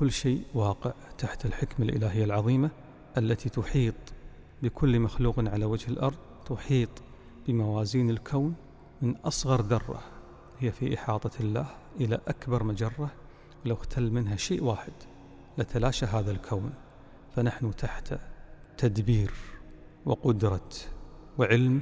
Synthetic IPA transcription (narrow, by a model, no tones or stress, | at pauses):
kʊlːʃeːʔwɑːqəʕt̪aħt̪alħɪkmalʔɪ̰laːɦɪjːalʕɑðˤiːma | ʔalːat̪it̪ʊħiːt̪ˤ | bɪkʰʊlːmaxluːqnʕalawad͡ʒhɪlʔɑɾˤðˤt̪ʊħiːt̪ˤ | b̥ɪmawaːziːnɪlkʰoːn | mɪnʔɑsˤɣɑɾˤd̪ɑrˤːɑ̰ | hɪjːafiʔɪħɑːt̪ˤɑlːaːh | ʔɪla̰ʔakbɑɾˤmad͡ʒɑrˤːɑ | wlawxt̪ʰalːmɪnɦaʃeːʔwaːħɪd̪̥ | lat̪alaːʃaɦaːðalkʰoːn | fanaħnut̪ʰaħt̪ʰat̪ad̪biːɾ | wɪ̰qʊd̪ɾˤɑ | wʕɪlm